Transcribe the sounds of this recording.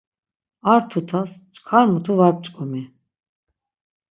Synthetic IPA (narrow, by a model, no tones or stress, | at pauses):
aɾt̪ʰut̪ʰast͡ʃʼkʰaɾmut̪ʰuvaɾp̚t͡ʃʼkʼɔmi